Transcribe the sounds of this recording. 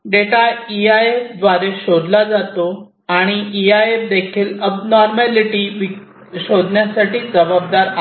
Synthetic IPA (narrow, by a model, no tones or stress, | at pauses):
ɖeʈaiaefd̪ʋaɾeɕod̪lad͡zat̪o | aɽ̃iiaefd̪ekʰiːləbnɔɾmaliʈiːʋi | ɕod̪njasaʈiːd͡zəbab̚d̪aɾa